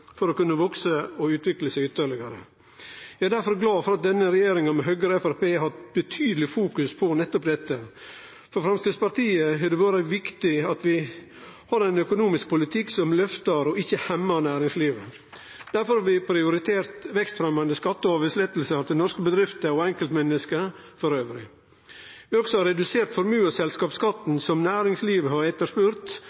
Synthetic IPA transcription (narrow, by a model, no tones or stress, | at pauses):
fɔɾɔkʉnːəʋɔksəɔʉːt̪ʰʋɪkləsɛɪʉːt̪əɭɪɡɑɾə̰ | jæɪæd̪æɾfɔɾɡlɑːfɔɾɑt̪̚d̪ɛnːəɾɛjeːɾɪŋəmɛɦœɡəɾəɛfæɾpeːɦɑt̪bət̪ʰyːd̪əlɪfuːkʉspʰɔnɛt̪ːɔpd̪ɛt̪ːə | fɔɾfɾɑmskɾɪt̪spɑɾt̪iːəɦɪd̪ɛʋɑːɾəʋɪkt̪ɪɑt̪ʋɪ | hɑɾɛɪnœkʊnuːmɪsk̚pʰʊlɪt̪ʰɪksɔmlœft̪əɾɔɪçːəhɛmːɑnæːɾɪŋsliːʋə | d̪̥æɾfɔɾhɑɾʋɪpʰɾɪʊɾɪt̪ʰeːɾt̪ʋɛkst̪fɾɛmɑnd̪əskɑt̪ːəɔʋəslɛt̪ːəl̩səɾt̪ɪnɔɾskəbəd̪ɾɪft̪əɔɛŋkəlt̪mɛnːəskə | fɔɾøːʋəɾɪ | ʋɪɔksɔhɑɾɛd̪ʉseːɾt̪fɔɾmʉːəsɛlskɑːpskɑt̪n̩sɔmnæːɾɪŋsliːʋəhɑɾɛt̪ːəʂpʉɾt̪